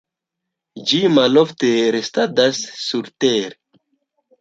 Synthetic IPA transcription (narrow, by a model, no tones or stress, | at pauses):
d͡ʒimalofteɾestadasːuɾteɾe